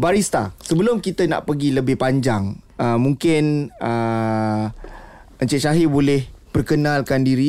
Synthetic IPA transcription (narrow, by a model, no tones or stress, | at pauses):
baɾist̪asəbəlʊmkit̪əna̰ʔpəɡiləbɪhpaɲd͡ʒaŋ | əmːũŋkɪnə | əɲt͡ʃɛʔʃaɦibolɛhpərkənãlkandiɾi